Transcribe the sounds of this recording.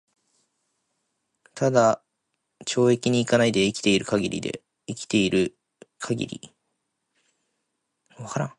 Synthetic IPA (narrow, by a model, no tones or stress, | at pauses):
t̪ad̪a | t͡ɕo̞ːe̞kʲiɲ̟iːkanaid̪e̞ikʲi̥t̪e̞iɾɯ̟kaɡʲiɾʲḭd̪e̞̰ | ikʲi̥t̪e̞iɾɯ̟ | kʰaɡʲḭɾʲḭ | βakaɾã̰ŋ